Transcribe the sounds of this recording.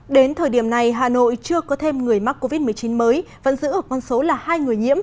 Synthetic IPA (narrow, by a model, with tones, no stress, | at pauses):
ɗe˨˦nt̪ʰəː˨˩jɗi˧˩əmna˨˩jɦaː˧˨˩no̰˧˨jt͡ɕɨ˧əkɔ˨˦t̪ʰe˧mŋɨ˨˩əjma˦˥k̚kːo˧vi˦˥t̚mɨ˨˩əjt͡ɕi˨˦nməː˨˦j | və̰˧˥nzɨ̰˧˥ʔəː˧˩kɔ˧nso˨˦laː˨˩haː˧jŋɨ˨˩əjɲḭ˧˥əm